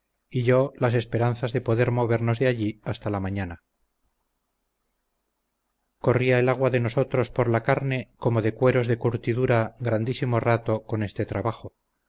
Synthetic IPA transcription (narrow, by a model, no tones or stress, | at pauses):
iʎo̞lase̞spe̞ɾan̟θazðe̞po̞ðe̞ɾmo̞β̞e̞ɾno̞zðeaʎiast̪alamaɲana | ko̞riaelaɣwaðe̞no̞so̞t̪ɾo̞spo̞ɾlakaɾne̞ko̞mo̞ðe̞kwe̞ɾo̞zðe̞kuɾt̪iðuɾaɣɾand̪isimo̞rat̪o̞ko̞ne̞st̪e̞t̪ɾaβaxo